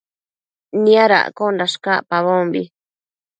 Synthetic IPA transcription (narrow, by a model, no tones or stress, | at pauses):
nĩaɾa̰ʔkondaʂkapaβombi